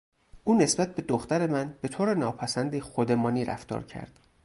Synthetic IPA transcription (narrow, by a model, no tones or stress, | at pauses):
ʔuːne̞sb̥æt̪̚be̞d̪oxt̪æɾe̞mænbe̞t̪ʰoːɾe̞nɒːpʰæsænd̪exod̪emɒːniːɾæ̰ft̪ɒ̰ːɾcʰæ̰ɾd̪̥